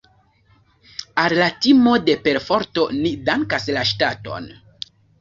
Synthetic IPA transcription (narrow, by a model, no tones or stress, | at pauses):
allatimo̞de̞pe̞ɾfo̞ɾto̞nidaŋkaslaʃtato̞̰n